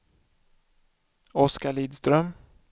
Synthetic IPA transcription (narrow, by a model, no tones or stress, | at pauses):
ɔskaɭiːd̪st̪ɾœm